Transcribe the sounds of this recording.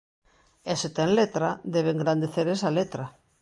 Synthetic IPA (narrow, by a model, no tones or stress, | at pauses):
eset̪eŋlet̪ɾaðeβeŋɡɾand̪eθeɾesalet̪ɾa